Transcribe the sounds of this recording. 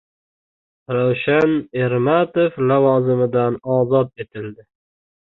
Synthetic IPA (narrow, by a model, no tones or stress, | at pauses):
ɾawʃane̞ɾmat̪oflavɒzɪmɪd̪anɒːzɒt̪̚e̞t̪ʰɪld̪ɪ